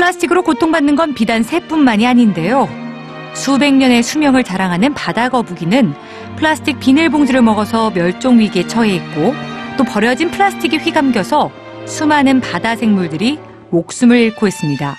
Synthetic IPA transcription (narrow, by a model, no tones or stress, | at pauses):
pʰɯɭasʰɯ̥tʰiɡɯɾokotʰoŋbanːɯnɡʌnpidansʰe̞p͈unːaɲiaɲinde̞jo | sube̞ŋɲʌne̞sʰumjʌŋɯɭt͡ɕaɾaŋɦanɯnpadaɡʌbuɡinɯn | pʰɯɭasʰɯ̥tʰik̚p͈inɯɭboŋd͡ʑiɾɯɭmʌɡʌsʰʌmjʌɭt͡ɕ͈oŋɥiɡe̞t͡ɕʰʌe̞it̚k͈ot͈opʌɾjʌd͡ʑinpʰɯɭasʰɯ̥tʰiɡiɸɥiɡamɡjʌsʰʌ | sʰumanɯnpadasʰe̞ŋmuɭdɯɾi | mok̚s͈umɯɭiɭkʰoɦe̞s͈ɯmɲida